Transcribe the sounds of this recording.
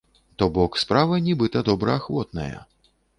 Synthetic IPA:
t̪ɔbɔkspɾavɐnʲɛbɨt̪ɐd̪ɔbɾɐaxvɔt̪nɐ̰jɐ̰

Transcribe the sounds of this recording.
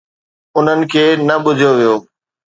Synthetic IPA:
ʊn̤ənɪ̆kʰeːnɐɓʊd͡ʑʱjoʋijoː

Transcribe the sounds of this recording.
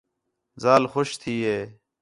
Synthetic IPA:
zaːlxoʃt̪ʰiːɦeː

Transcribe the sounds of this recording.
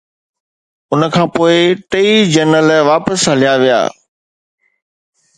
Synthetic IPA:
ʊnə̆kʰãːpoːɪʈeid͡ʑənəlʋaːpəsɦɐlijaʋija̰ː

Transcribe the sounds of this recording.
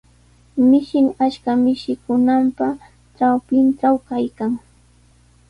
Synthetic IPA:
mɪʃɪŋaʃkamɪʃɪkʊnampa | ʈ͡ʂawpɪnʈ͡ʂawkajkaŋ

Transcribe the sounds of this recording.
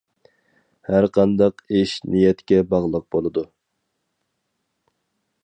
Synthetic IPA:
hæɾqʰɑnd̪ɑqeʃnijɛt̪kʲɛbɑʁlˠəq̚bolˠɨd̪u

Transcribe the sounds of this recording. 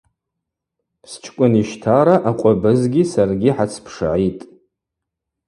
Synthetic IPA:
pst͡ʃʰkʷʼʊniʃtʰaɾaʔaqʷʼabɨzɡʲisarɡʲiħat͡sʰpʰʂa̰ʕitʼ

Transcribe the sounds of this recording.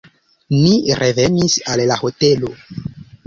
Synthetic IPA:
niɾʔevenisalːaho̞telo

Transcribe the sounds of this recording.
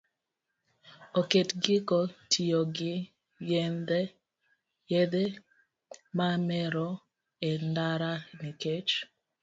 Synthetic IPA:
oketɡɪkotʰioɡɪ | jend̪e | jed̪e | mamɛɾɔ | endaɾaniket͡ʃ

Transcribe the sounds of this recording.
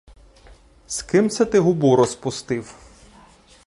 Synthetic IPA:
skɪmt̪sʲɛt̪ɪɦʊbuɾɔspʊst̪ɪw

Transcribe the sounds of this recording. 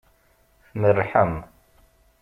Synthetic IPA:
θmərːħəm

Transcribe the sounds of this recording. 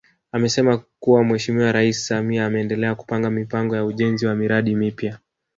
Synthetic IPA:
amɛsɛmakuwamwɛʃimiwaɾaisi̥samiaːmɛːndɛlɛaku̥paŋɡamipaŋɡɔjauʄɛnziwamiɾaɗimipja

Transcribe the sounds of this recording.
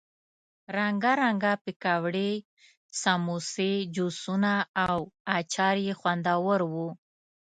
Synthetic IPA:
ɾaŋɡaɾaŋɡapɪkawɽe | samused͡ʒusunaːwat͡ʃɑɾjexwand̪awəɾwu

